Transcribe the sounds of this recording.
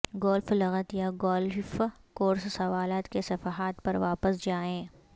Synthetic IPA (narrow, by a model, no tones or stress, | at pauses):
ɡɔːlflɐɣət̪jaɡɔːlfkoːɾssɐʋaːlaːt̪kesɐfaɦaːt̪pɐɾʋaːpəsd͡ʒaːẽː